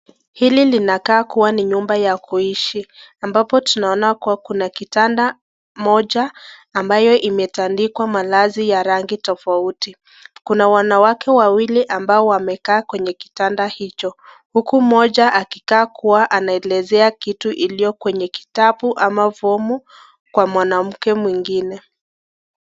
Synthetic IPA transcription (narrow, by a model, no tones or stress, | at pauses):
hililinakaːkuwaniɲumbajakuiʃiambapɔtunaɔnakuwakunakitanda | mɔʄaːmbajɔʔimɛtandikwamalazijaɾaŋɡitɔfauti | kunawanawakɛwawiliʔambaɔwamɛkaːkwɛɲɛki̥tandahit͡ʃɔ | hukum̩ɔʄaʔakikaːkuwaʔanaɛlɛzɛakituʔilijɔkwɛɲɛki̥tapuʔamavɔmu | kwamwanam̩kɛmwiŋɡinɛ